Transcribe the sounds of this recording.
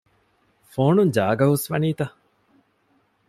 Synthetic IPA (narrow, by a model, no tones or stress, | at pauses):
foːnuɲd͡ʒaːɡɐɦusʋɐniːt̪ɐ